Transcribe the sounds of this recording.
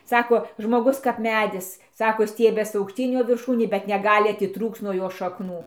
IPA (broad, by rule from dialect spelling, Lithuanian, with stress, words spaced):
ˈsɑːkoː ʒmoːˈɡʊs kɐp ˈmʲæːdʲɪs ˈsɑːkoː ˈsʲtʲiɛbʲɛs ɐʊkˈʃʲtʲiːn ˈjoː ʋʲɪrˈʃuːnʲeː bʲɛt nʲɛˈɡɑːlʲɪ ɐtʲɪˈtruːkt͡s nuɔ ˈjoː ʃɐkˈnuː